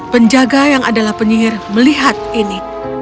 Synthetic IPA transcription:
pəɲd͡ʒaɡajaŋadalahpəɲiɪrməliɦat̪̚ini

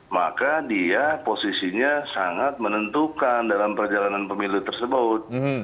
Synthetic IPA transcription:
ma̰kadiaposisiɲasaŋat̪̚mənənt̪ukandalampərd͡ʒalananpəmilut̪ərsəbʊt̪̚

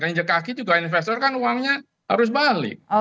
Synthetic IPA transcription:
kaɲd͡ʒəkakid͡ʒuɡaininfɛst̪ɔrkanuaŋɲa | ha̰ɾʊs̬balɪ̰k̚

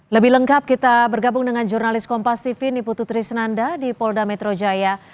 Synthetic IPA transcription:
ləbɪhləŋkap̚kit̪abərɡabʊŋdəŋand͡ʒurnalɪskɔmpast̪ifiniput̪ut̪ɾisənandadipɔldamɛt̪ɾod͡ʒaja

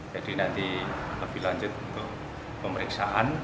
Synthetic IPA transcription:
d͡ʒad̥inant̪iləb̥ɪhlaɲd͡ʒʊt̪unt̪ʊk | pəməɾiksaʔan

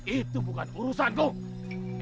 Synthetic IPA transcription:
it̪ubukanuɾusanko

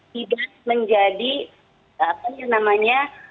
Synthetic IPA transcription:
t̪idak̚məɲd͡ʒadi | apajanamaɲa

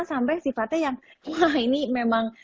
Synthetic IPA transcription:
ŋsambajsifat̪ɛjaŋainimemaŋ

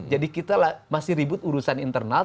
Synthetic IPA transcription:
d͡ʒadikit̪alahmasɪhɾibʊt̪uɾusanint̪ərna

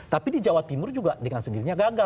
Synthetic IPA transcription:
t̪apidid͡ʒawat̪imʊrd͡ʒuɡadəŋansəndiɾiɲaɡaɡa

